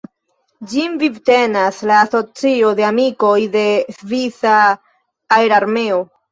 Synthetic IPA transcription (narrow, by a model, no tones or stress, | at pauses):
d͡ʒimvivte̞naslaːso̞t͡sio̞de̞amiko̞jde̞svisaː | eɾaɾme̞o